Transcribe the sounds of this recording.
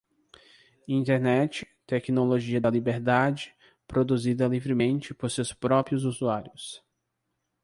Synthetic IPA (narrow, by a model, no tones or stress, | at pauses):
ĩnt̪eɾnɛt͡ʃɪ̥ | t̪ɛknoloʒiɐd̪ɐlibeɾd̪ad͡ʒɪ̥ | pɾod̪uzid̪ɐlivɾɪmẽnt͡ʃɪpoɾsewspɾɔpɾiʊzuzuaɾjʊs